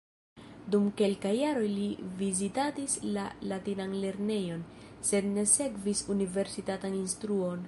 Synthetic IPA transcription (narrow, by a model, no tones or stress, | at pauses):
dumke̞lkajːaɾo̞jlivizitatislalatinanle̞ɾne̞jo̞n | se̞dne̞se̞kvisunive̞ɾsitataninstɾuo̞n